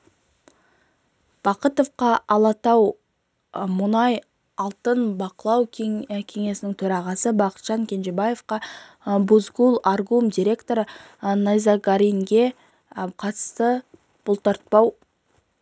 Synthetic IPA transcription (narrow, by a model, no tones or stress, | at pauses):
b̥ɑqət̪o̞fqɑʔɑlˠɑt̪ɑw | mʊnɑj | ɑlˠt̪ənbɑqəlˠɑwkʲʰe̞ŋe̞sɪnɪŋt̪ʰɵɾɑʁɑsəbɑqə̥t̪ʒ̥ɑŋkʲʰe̞nʒebaje̞fqɑ | buzɡulˠarɡumd̪ʲiɾʲe̞kt̪o̞ɾənɑjzɑɡaɾijŋɡʲe̞ | qʰɑt̪ə̥st̪ə | b̥ʊlˠt̪əɾt̪̚pɑw